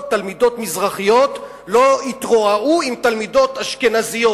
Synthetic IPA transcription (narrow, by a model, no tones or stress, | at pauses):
t̪almid̪o̞t̪mizʁaχijo̞t̪ | lo̞it̪ʁoaʔuimt̪almid̪o̞t̪haʃkenazijo